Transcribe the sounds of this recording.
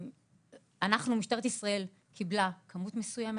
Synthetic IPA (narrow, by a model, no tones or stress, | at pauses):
anaχnumiʃt̪eʁt̪isʁae̞l | kʰiblakʰamut̪mesujeme